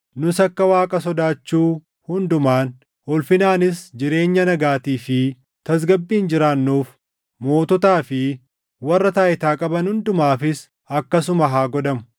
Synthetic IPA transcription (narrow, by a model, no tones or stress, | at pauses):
nʊsɐkːɐwaːkʼɐsɔd̪aːt͡ʃːuː | hʊnd̪ʊmaːn | ʔɔlfɪnaːnɪsd͡ʒɪɾe̞ːɲːɐnɐɡaːt̪iːfɪ | t̪ɐs̬ɡɐbːiːnd͡ʒɪɾaːnːuːf | mo̞ːt̪ɔt̪aːfɪ | wɐrːɐt̪aːʔɪt̪aːkʼɐbɐnhʊnd̪ʊmaːfɪs | ɐkːɐsʊmɐɦaːɡɔd̪ɐmʊ̥